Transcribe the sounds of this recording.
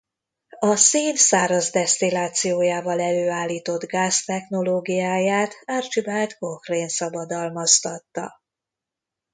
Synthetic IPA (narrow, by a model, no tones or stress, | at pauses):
ɒseːnsaːɾɒzd̪ɛst̪ilaːt̪sijoːjaːvɒlɛløːaːlːiːt̪o̞d̪ɡaːst̪ɛxno̞loːɡijaːjaːt̪aːrt͡ʃibɛlt̪kokreːnsɒbɒd̪ɒlmɒst̪ɒt̪ːɒ̰